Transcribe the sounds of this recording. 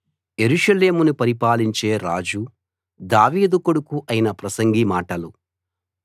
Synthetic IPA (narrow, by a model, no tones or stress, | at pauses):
je̞ɾuʂɐle̞ːmunupɐɾipaːliɲt͡ʃe̞ːɾaːd͡ʒu | d̪aːʋiːd̪ukoɽukuʔɐjinɐpɾɐsɐŋɡimaːʈɐlu